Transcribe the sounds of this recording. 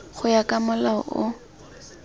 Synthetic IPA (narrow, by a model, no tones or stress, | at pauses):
χʊjakʼamʊlaɔʔʊ